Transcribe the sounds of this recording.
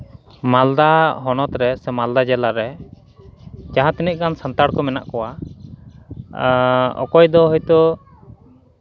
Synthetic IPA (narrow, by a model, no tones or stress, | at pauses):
mald̪aɦɔnɔt̪ɾɛsɛmald̪ad͡ʒɛlaɾɛ | d͡ʒaɦãt̪iniʔ̪̚kansant̪aɽkɔmɛna̰ʔkɔwa | ɔ̰kɔjd̪ɔɦɔjt̪ɔ